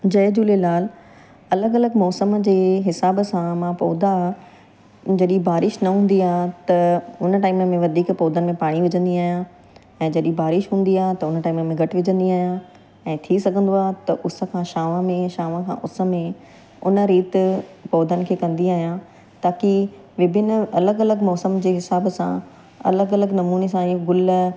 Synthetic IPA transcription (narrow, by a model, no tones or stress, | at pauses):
d͡ʑɐɪd͡ʑuːlelaːl | ɐləɡɐləɡmɔːsəmd͡ʑeːɦɪsaːbsãmãpɔːd̪a | d͡ʑɐɗibaːɾɪʃnɐɦũːn̆d̪iaːɦt̪ɐʊnə̆ʈaːɪməmẽʋɐd̪ʱiːkpɔːd̪ənɪ̆mẽpaːɽ̃iʋɪd͡ʑə̃nd̪iaːɦijã | ɛ̃ːd͡ʑɐɗĩbaːɾɪʃɦũːn̆d̪iaːɦt̪ɐʊnəʈaːɪməmẽɡʱɐʈɪʋɪd͡ʑə̃nd̪iaːɦjã | ɛ̃ːt̪ʰisɐɡʱə̃nd̪oaːt̪ɐʔʊs̆kʰãːʃaːʋãmẽʃaːʋãkʰã̰ːʔʊsə̆mẽ | ʊnə̆ɾiːt̪pɔːd̪ənɪ̆kʰeːkɐ̃nd̪iaːɦijãː | t̪aːki | ʋɪbʱɪnɐləɡɐləɡmɔːsəmd͡ʑeːɦɪsaːbsã̰ | ɐ̰ləɡɐləɡnɐmuːnesãɪoɡʊl